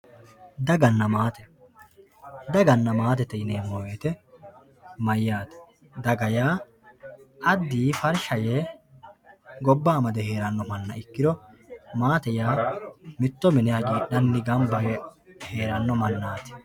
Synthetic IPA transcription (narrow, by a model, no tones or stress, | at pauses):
d̪ɐɡɐnːɐmaːt̪ɛ̥ | d̪ɐɡɐnːɐmaːt̪ɛt̪ɛjɪneːmoːjeːt̪ɛ | mɐjːaːt̪ɛ̥ | d̪ɐɡɐjaː | ʔɐd̪ːiːfɐɾʃɐjeː | ɡɔbːaːmɐd̪ɛhe̞ːɾɐnːɔmɐnːɐ̰ɪkːɪd̪ɔmaːt̪ɛjaːmɪt̪ːɔmɪnɛjaːɡiːɗɐnːɪɡɐmbɐɡɛhe̞ːɾɐnːɔmɐnːaːt̪ɪ̥